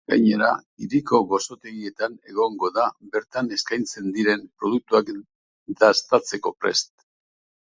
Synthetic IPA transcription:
ɡ̥a̰jɲe̞ɾaiɾiko̞ɣo̞so̞t̪e̞ɣie̞t̪ane̞ɣ̞o̞ŋɡo̞ðaβe̞ɾt̪ane̞skajnt͡se̞nd̪iɾe̞mpɾo̞ðuk̚t̪uak | d̪ast̪at͡se̞ko̞pɾe̞̰st̪

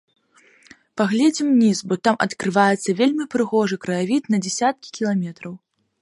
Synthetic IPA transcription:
paɣlʲɛd͡zʲimnʲisbɔt̪amʔɐ̰t̪kɾɨvajɛt̪sːɐvʲelʲmʲipɾɨɣɔʐɨkɾɐjavʲit̪nɐd͡zʲɛsʲat̪̚kʲi̥kʲilˠamʲɛt̪ɾɐw

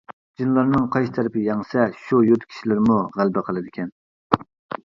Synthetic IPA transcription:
d͡ʒinlˠɑɾnɨŋqʰɑjst̪ʰɛɾɪpɪjɑŋsɛʃujøt̪kʲʰi̥ʃilɪɾmuʁælbɪqʰəlˠɨd̪ɪkʲʰɛn

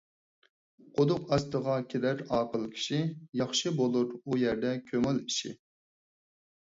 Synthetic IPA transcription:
qʰod̪ʊqɑst̪əʁɑkʲʰed̪æɾɑːqəlˠkʲʰi̥ʃijɑχʃɨbolˠuɾujɛɾd̪ɛkʲʰømɪliʃḭ

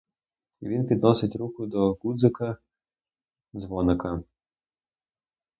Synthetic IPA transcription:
ḭʋʲinpʲid̪nɔsɪtʲɾukʊd̪ɔɡud̪zɪkɐ | zʋɔnɪkɐ

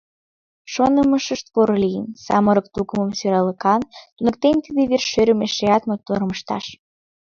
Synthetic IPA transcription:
ʃonəməʃəʃt̪poɾolijənsɑ̰məɾək̚t̪ukəməmsyɾɑləkɑnt̪unə̆k̚t̪ent̪id̪eβerʃøɾʲəmeʃeɑt̪met̪oɾməʃt̪ɑ̰ʃ

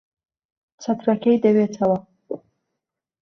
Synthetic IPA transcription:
t͡sat̪ɾakejd̪əwet͡sawa

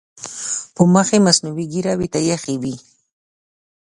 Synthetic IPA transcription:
pəməxemasnuwiɡiɾawit̪ajaxiwi

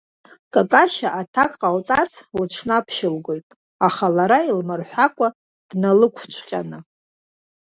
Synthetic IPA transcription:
kʼakʼaʃaʔatʰakʼqʼalt͡sʼart͡sʰlt͡ʃʰnapʰʃɪlɡʷo̞jtʼ | aχalaɾailmɨrħʷakʷʼa | d̥nalɨkʷʰt͡ʃʷʰqʲʼanɨ

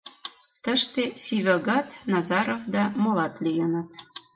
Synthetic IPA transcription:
t̪ə̆ʃt̪esiβɑɣɑt̪nɑzɑɾovd̪ɑmolɑt̪lijə̆nɤ̆t̪

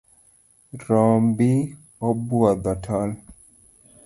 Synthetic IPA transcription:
ɾɔmbi | ɔbwɔd̪ɔtʰɔl

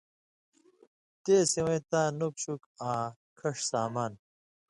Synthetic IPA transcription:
t̪eːsiwẽt̪aːnukɕukaː | kʰɐʂsaːmaːn

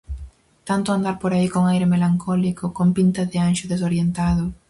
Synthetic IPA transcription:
t̪ant̪ʊand̪aɾpoɾaikoŋajɾɪmelaŋkʰɔlikʊkompint̪ɐðɪanʃʊðesoɾjent̪aðʊ

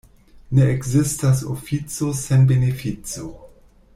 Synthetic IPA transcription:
neekzistasofit͡sosenbenefit͡so

